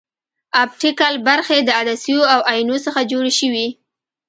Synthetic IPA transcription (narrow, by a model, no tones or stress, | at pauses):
ap̚ʈɪkalbaɾxed̪əad̪asijoawajinosəxad͡ʒoɽeʃəwi